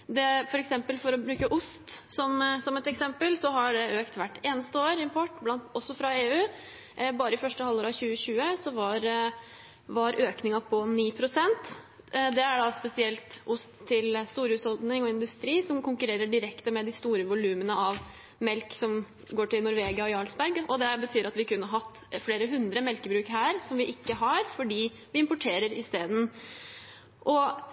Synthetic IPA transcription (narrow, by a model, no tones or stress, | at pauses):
d̪ɛfɔɾɛksɛmpəlfɔɾɔbɾʉːkəʔʊst̪sɔmsɔmɛt̪ɛksɛmpəlsɔɦɑɖɛøːkt̪ʋæʈːeːnəst̪əoːɾɪmpʰɔʈːblɑnt̪ɔsːɔfɾɑeːʉː | bɑːɾəɪfœʂʈəhɑlːoːɾɑçʉːəɕʉːəsɔʋɑɾ | ʋɑɾʔøːknɪŋɑpʰɔniːpʰɾʊsɛnt̪ | d̪ɛæɖɑspɛsɪɛlt̪ʔʊst̪ʰːɪlst̪uːɾhʉːshɔld̪nɪŋɔɪnd̪ʉst̪ɾiːsɔmkʰʊŋkʉɾeːɾəɖɪɾɛkt̪əmɛd̪ɪst̪uːɾəʋʊlʉːmənəɑʋ | mɛlksɔm | ɡoːʈɪlnʊɾʋeːɡɪɑɔjɑlsbæɾɡɔd̪ɛbət̪ʰyːɾɑt̪ʋɪkʉnːəɦɑt̪ːfleːɾəɦʉnd̪ɾəmɛlkəbɾʉːkɦæːɾsɔmʋɪʔɪkːəɦɑɾfɔɖiː | ʋɪɪmpʊʈʰeːɾəɾɪst̪eːd̪n̩ | ʔɔ